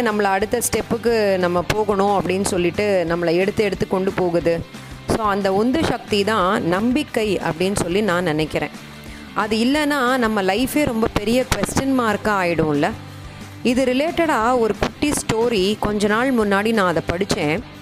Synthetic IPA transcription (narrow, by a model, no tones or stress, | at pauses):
nɐmːɐɭɐːɽɯt̪ːɐsʈɛpːɯkːɯnɐmːɐpoːɣɐɳʊ̃ɐpːɐɽɪnːɯsɔlːɪʈːɯnɐmːɐɭɐɛɽɯt̪ːɯɛɽɯt̪ːɯkːɔɳɖɯpoːɣɯðɯ | soːɐnd̪ɐɔnd̪ɐʃɐk̚t̪it̪ãːnɐmbɪkːɐɪɐ̰pːɐɽɪnːɯsɔlːinãːnɪnɛkːɪɾḛ̃ː | ʔɐðɯɪlːɐnːaːnɐmːɐlɐɪfeːɾɔmbɐpɛɾɪjɐkʋɛsʈɐnmaːɾkːɐ̃aːjɪɽʊ̃ɪlːɐ | ɪðɯɾɪleːʈɐɽaːɔɾɯkʊʈːisʈoːɾikɔɲd͡ʒɔnaːɭmʊnːaːɽinãːɐðɐpɐɽɯt͡ʃːẽː